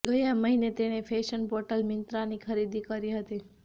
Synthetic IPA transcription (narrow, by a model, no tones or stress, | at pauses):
ɡəjãməɦinet̪eñefʰeʃənpoʈəlmɪnt̪ɾanikʰəɾid̪ikəɾiɦət̪i